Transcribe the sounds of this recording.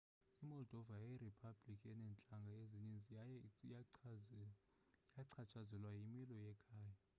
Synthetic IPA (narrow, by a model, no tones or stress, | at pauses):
imɔldʱɔvajeripʰab̥likʼiɛnɛnt͡ɬʼaŋɡʱaeziɲend͡zʱj | jaǀʰat͡ʃʰʼazɛlwajimilɔjɛkʰaːja